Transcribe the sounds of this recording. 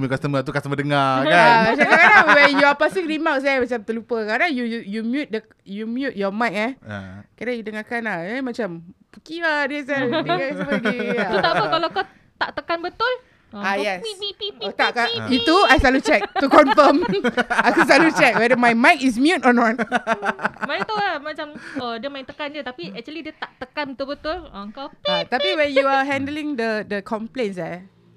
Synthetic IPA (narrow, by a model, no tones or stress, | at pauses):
mjukast̪əməat̪ukasəmədəŋakaamat͡ʃamkakadaŋwɛnjuapasikɹimawk̚s̬ajamat͡ʃamt̪əlupəkadaŋjujumjut̪̚də | jumjut̚jɔmãjk̚a̰kadaŋjudəŋakanaəmat͡ʃampukiadiəsadasbəɡiat̪aɔkalakɔ | t̪a̰ʔt̪əkanbət̪ʊl | ajɛsot̪aʔkait̪uajsalut͡ʃɛk̚t̪ukɔnfəmakas̬alut͡ʃɛk̚wɛdəmajmãjk̚is̬mjutɔnɔt̚ | manet̪olamãt͡ʃamədiəmaj̃ŋ̚t̪əkand͡ʒət̪apiɛk̚t͡ʃuəlidiət̪aʔt̪əkanət̪ubət̪ʊləəŋkawat̪apiwɛnjuaɦɛ̃ndəlĩŋdədəkʰɔmplens̬a